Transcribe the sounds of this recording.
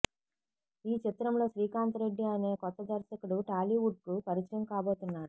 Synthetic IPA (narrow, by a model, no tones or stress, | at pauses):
iːt͡ʃit̪ɾɐmlo̞ːʃɾiːkaːnt̪ɐɾe̞ɖːiɐne̞ːkɔt̪ːɐd̪ɐɾsɐkuɽuʈaːliʋuɖ̚kupɐɾit͡ʃɾɐmkaːbo̞ːt̪unːaːɾu